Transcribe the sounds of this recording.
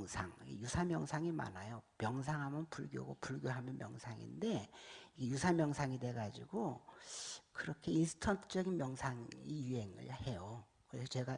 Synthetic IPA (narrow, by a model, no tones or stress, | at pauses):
ŋsʰaŋiɡjusʰamjʌŋsʰaŋima̰najomjʌŋs̬ʰaŋɦamjʌnpuɭɡjo̰ɡo̰puɭɡjoɦamjʌnmjʌŋsʰaŋḭnde̞iɡejusʰamjʌŋsʰaŋidwe̞ɡad͡ʑiɡo | kɯɾʌkʰe̞insʰɯ̥tʰʌntʰɯ̥t͡ɕ͈ʌɡinmjʌŋsʰaŋijuɦe̞ŋɯ̰ɭhe̞jo | kɯɾesʰʌt͡ɕe̞ɡa